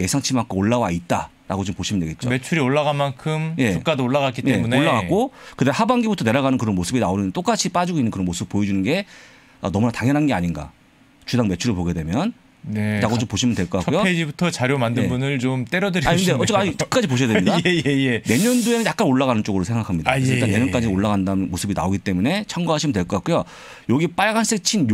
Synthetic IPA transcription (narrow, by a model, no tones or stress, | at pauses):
je̞sʰaŋt͡ɕʰimak͈ooɭːawait̚t͈a | ɾa̰ɡot͡ɕompoɕʰimɯndeɡet̚t͡ɕ͈o̰me̞t͡ɕʰuɾioɭːaɣanmankʰɯmje̞t͡ɕuk͈adooɭːaɣak͈itj͈emuneoɭːaɡak͈okɯdahabaŋɡibutʰʌne̞ɾaɣanɯnkɯɾʌnmosʰɯbinaonɯndet͈ok͈at͡ɕʰip͈ad͡ʑiɡoinːɯnkɯɾʌnmosʰɯbɯp͈ːojed͡ʑunɯnɡe̞ | ʌ̰nʌmunataŋjʌnɦanɡe̞aɲinɡa̰ | t͡ɕudaŋme̞t͡ɕʰuɾɯpoɡe̞de̞mjʌn | nenaɡot͡ɕompoɕʰimɯntwe̞ɭk͈ʌk͈akʰkujoed͡ʑibutʰʌt͡ɕaɾjomandɯbunɯɭt͡ɕomt͈eɾjʌdɯɾaikɯndeʌt͡ɕ͈ʌkaɲit͈ɯ̥k̚k͈ad͡ʑipoɕ̬ʰijadɲiaeene̞ɲʌndoe̞nɯnjak͈anoɭːaɣanɯnt͡ɕ͈oɡɯɾosʰe̞ŋɡakʰamɲidakesʌitanːe̞ɲʌnk͈ad͡ʑioɭːaɣandanmosʰɯbina̰oɡit͈e̞mune̞t͡ɕʰʌŋɡoɦaɕʰimɯndwe̞ɭk͈ʌk͈ak͈ujo | jʌɡip͈aɭɡans͈et͡ɕʰin